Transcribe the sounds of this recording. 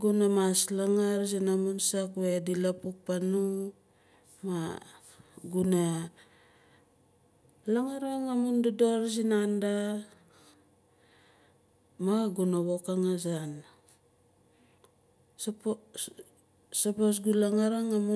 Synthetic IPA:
ɡunamaslaŋaɾzinamunsakwedilapuk̚panu | ma | ɡuna | laŋaɾaŋamundadoɾzinanda | maɡunaβokaŋazan | sp | sapos̬ɡulaŋaɾaŋamu

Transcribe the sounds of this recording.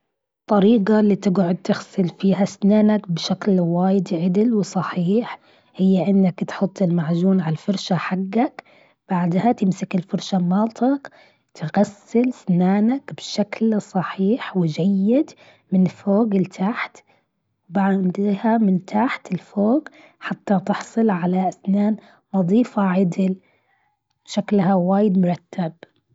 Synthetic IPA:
t̪ˤːɑɾiːɡalːiːt̪ɪɡʕʊd̪̚t̪ɪɣsɪlfiːɦasnaːnakbʃaklwaːjɪd̪ʕɪd̪ɪlwsˤɑħiːħ | hɪjːaʔɪnːakt̪ħʊt̪ˤːɪlmaʕd͡ʒuːnʕalfʊɾʃaħaɡːak | b̥aʕd̪hat̪ɪmsɪkɪlfʊɾʃamɑːt̪ʰˤɑk | t̪ɪɣasːɪlsnaːnakb̥ʃaklsˤɑħiːħwɪd͡ʒajːɪd̪ | mɪnfoːɡɪlt̪ʰaħt̪ | wbaʕd̪hamɪnt̪ʰaħt̪ɪlfoːɡ | ħat̪ːat̪ɪħsˤɨlʕalaʔasnaːn | wɑðˤiːfaʕɪd̪ɪl | ʃaklhawaːjɪd̪mʊɾˤɑt̪ːab̚

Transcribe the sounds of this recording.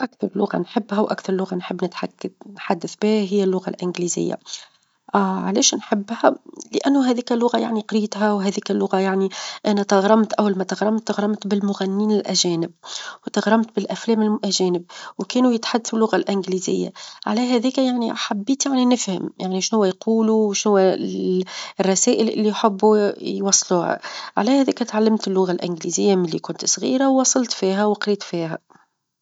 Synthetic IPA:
ʔækθɑɾˤlʊɣa̰nħɪbːhæwʔa̰kθɑɾˤlːʊɣanħɪbːnɪt̪ħakːanħad̪ːaθbæːɦɪjːælːʊɣa̰lʔɪnɡlizɪ̰jːa̰ | ʕalɛːʃnħɪbːhælɪʔænːʊɦɛːðiːkælːʊɣaja̰ʕniqɾijːt̪ɦæwɦɛːðiːkælːʊɣajaʕniʔænæt̪ɑɣɾˤɑmt̪ʔæwːalmæt̪ɑɣɾˤɑmt̪ːɑɣɾˤɑmt̪bɪlmʊɣænːiːnɪlʔæʒɛːnɪb̚wt̪ɑɣɾˤɑmt̪bɪlʔæflɛːmɪlʔæʒɛːnɪb̚wkæːnujɪt̪ħad̪ːaθulːʊɣalʔɪnɡliːzɪ̰jːa̰ʕa̰læɦæðɛːkæjaʕniaħabːiːt̪jaʕninɪfhɪ̰mjaʕniʃnhʊwːæjqʰuːluwʃnhʊwːæ | rˤːɑsæːʔɪlʔɪ̰lːijħɪbːujwɑsˤːluːhæ̰ʕa̰læhæðæːkæt̪ʕalːɪmt̪ɪlːʊɣalʔɪnɡlizɪjːamɪlːikʊnt̪sˤɣiːɾawwɑsˤɑlt̪fiːɦæwqɾiːt̪fiːɦæ̰

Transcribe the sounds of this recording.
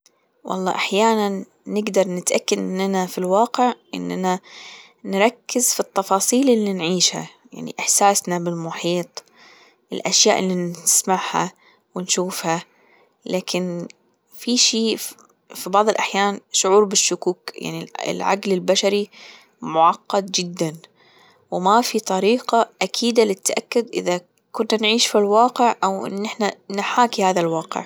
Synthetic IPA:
wʔɑ̰lˤːɑ̰ːʔaħjaːnanː | ɪɡd̪ɑɾˤnɪt̪ʔakːad̪ʔɪnːanafilwɑːqɪʕʔɪ̰nːʔa̰na | nɾˤɑkːɪzfit̪ːɑfɑːsˤiːlʔɪlːinʕiːʃha̰ | ja̰ʕnḭʔɪħsaːsnabɪlmʊħiːt̪ˤ | ʔɪ̰lʔaʃja̰ːʔɪlːinɪsmaʕha̰ | wɪnʃuːfha | laːkʰɪn | fiʃiː | fibɑʕðˤɨlʔaħjaːnʃʊʕuːɾbɪʃːʊkuːkjʔa̰ʕniɪ̰lʕa̰ɡlɪlbaʃaɾi | mʊʕɑqːɑd̪̚d͡ʒɪd̪ːan | wɪmafit̪ˤɑɾiːqɑʔakʰiːd̪alɪt̪ːaʔakːʊd̪ʔɪ̰ða | kʊnːanʕiːʃfilwɑːqɪʕʔawʔɪ̰nːɪħnanħaːkihaːðalwɑːqɪ̰ʕ

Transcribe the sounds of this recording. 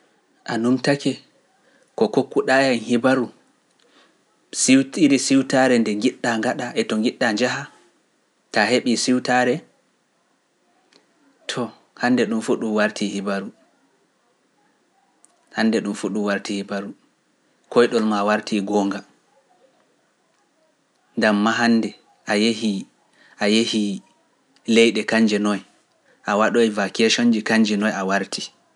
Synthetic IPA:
ʔanumtakɛ | kɔkokːuɗajanhibaɾu | siwtiɾisiwtaɾɛndɛŋɡiɗːaŋɡaɗaʔɛtɔŋɡiɗːaɲd͡ʒaha | taheɓisiwtaɾɛ | tʰɔ | handɛɗumfuɗuwaɾtihibaɾu | hanːdɛɗumfuɗuwaɾtihibaɾu | kʰɔjɗɔlmawaɾtʰiɡɔːŋɡa | ŋɡamːaɦandɛ | ʔajehi | ʔajehi | lɛjɗɛkaɲd͡ʒɛnɔj | ʔawaɗɔjvakɛʃond͡ʒikaɲd͡ʒɛnɔjawaɾtʰi

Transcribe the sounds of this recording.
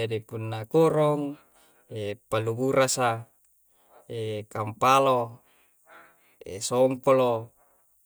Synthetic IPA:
adipunːakoɾoŋ | epaluɡuɾasa | ekampalo | ḛsoŋpolo

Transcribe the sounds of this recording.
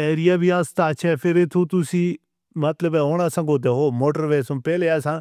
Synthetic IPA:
ɛːɾijabʱiaːst̪at͡ʃʰɛfʰɪɾet̪ʰot̪ʊsĩ | mɐt̪ləbɛoːɽ̃asãŋɡoːt̪̬eɦoːmoːʈəɾʋeːsompɛːleasã

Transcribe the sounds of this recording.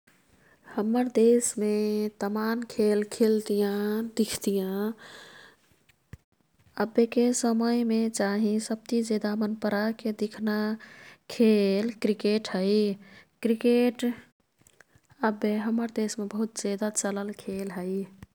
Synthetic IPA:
həməɾd̪esmet̪əmankʰelkʰelt̪ijãd̪ikʰt̪ijã | əbːekesəməjmet͡ʃaɦĩsəb̚t̪id͡ʒed̪amənpəɾaked̪ikʰnakʰelkɾikeʈɦəɪkɾikeʈ | əbːeɦəməɾd̪esmebəɦut̪d͡ʒed̪at͡ʃələlkʰelɦəɪ

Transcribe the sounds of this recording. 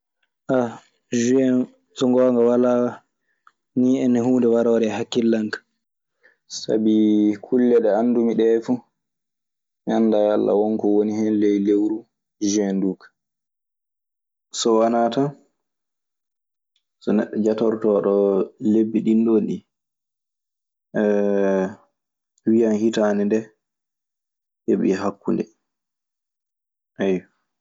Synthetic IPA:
ʔa | ʒuɛn | sɔŋɡɔːŋɡawala | niːɛnɛhuːndɛwaɾɔɾɛhakːilːaŋkḁ | sa̰bikʰulːɛɗɛanːdumiɗɛfu | mandajalːa̰wɔŋkɔwonihɛnlɛjlewɾu | ʒuɛnduːkḁ | sɔwanata | sɔnɛ̰ɗːɔd͡ʒatɔɾtɔɗɔlebːiɗinɗonɗi | wijanhitanɛndɛ | heɓḭɦakːundɛ | ʔaj

